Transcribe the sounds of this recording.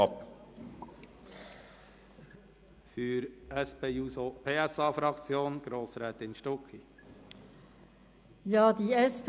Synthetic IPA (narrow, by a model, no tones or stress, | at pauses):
ɑp | fyɾɛspeːjuːsopʰeːɛsɑːfɾɑkt͡sjoːnɡ̥ɾoːsɾɛːt̪ɪnʃtɔki | jɑːd̪iːɛsp